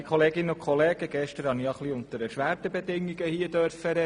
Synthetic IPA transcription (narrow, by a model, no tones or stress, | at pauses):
ikʰχɔleːɡɪnəʊkʰχɔleːɡ̥əɡ̥ɛʃtəɾɑniɑχliʊnt̪əɾɛɾʃʋæːɾtəbedɪŋːiɡəhiəd̥œɾfəɾɛ